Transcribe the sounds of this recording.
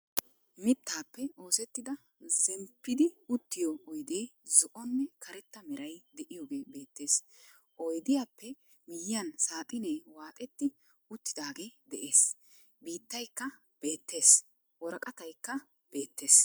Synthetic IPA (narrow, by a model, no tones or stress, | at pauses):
mɪt̪ːaːpːɛo̞ːsɛt̪ːɪd̪ɐ | zɛmpːɪd̪ɪʊt̪ːɪjɔɔjd̪eːzɔʔɔnːɛkʰɐɾɛt̪ːɐmɛɾɐjd̪ɛʔɪjoːɡe̞ːbe̞ːt̪ːe̞ːs | ʔɔjd̪ɪjaːpːɛ | mɪjɪjɐnsaːt̪ʼɪneːwaːt̪ʼɛt̪ːɪ | ʊt̪ːɪd̪aːɡe̞ːd̪ɛʔe̞ːs | biːt̪ːɐjkːɐ | b̥e̞ːt̪ːe̞ːs | wɔɾɐkʼɐt̪ɐjkːɐ | b̥e̞ːt̪ːe̞ːs